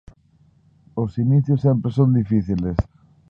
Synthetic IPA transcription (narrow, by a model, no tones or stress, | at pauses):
osiniθjʊsːempɾesond̪ifiθiles